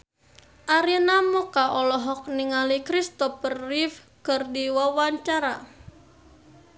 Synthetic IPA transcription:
ʔaɾinamɔkaʔɔlɔɦɔk̚niŋalikɾist̪ɔpərːif | kərdiwawaɲt͡ʃaɾa̰

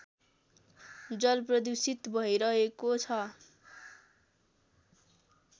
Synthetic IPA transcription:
d͡zʌlprʌd̪usit̪bʱʌiɾʌɦekot͡sʰʌ

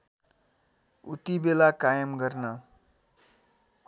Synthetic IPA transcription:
ṵt̪ibelakajʌmɡʌrnʌ

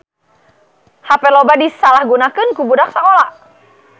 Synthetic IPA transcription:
hapɛlobadisalahɡunakɨnkubudak̚sakola

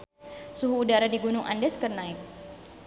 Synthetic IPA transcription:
suɦuːdaɾadiɡunʊŋʔa̰ndɛskərnaɪk̚

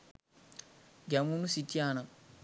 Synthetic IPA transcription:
ɡamunusitːiana

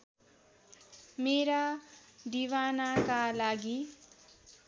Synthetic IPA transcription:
meɾad̪iwanakalaɡi

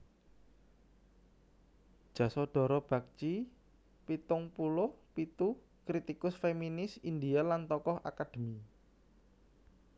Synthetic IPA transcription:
d̥ʒ̥ä̤sɔɖ̥ɔ̤ɾɔb̥ä̤k̚t͡ʃi | pit̪ʊŋpulʊhpit̪u | kɾit̪ikʊsfeminɪsind̪ialant̪ɔkɔha̰kad̪̥e̤mi

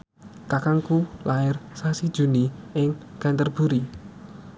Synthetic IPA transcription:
kakaŋkulaɪrsasid̥ʒ̥ṳniɪŋɡ̥ant̪ərb̥ṳɾi

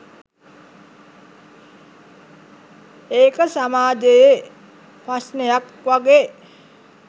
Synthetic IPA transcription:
eːkəsamaːd͡ʒeje | prasnejak | ʋaɡeː

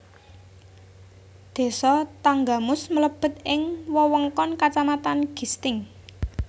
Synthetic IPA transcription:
d̪̥e̤sɔt̪aŋɡamʊsmələb̥ə̤t̪̚ʔɪŋwɔwɔŋkɔnkat͡ʃamat̪anɡ̥i̤st̪ɪŋ

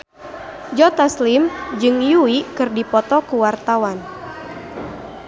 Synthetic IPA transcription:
d͡ʒɔt̪aslimd͡ʒɨŋjuwikɨrdipɔt̪ɔkuwart̪awan

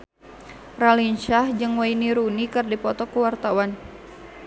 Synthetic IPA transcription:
ralint͡ʃahd͡ʒɨŋwainiɾunikɨrdipɔt̪ɔkuwart̪awan

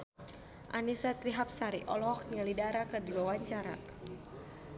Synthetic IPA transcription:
ʔa̰nisat̪ɾiɦap̚saɾiʔɔlɔhŋalidaɾakɨrdiwawaɲt͡ʃaɾa̰

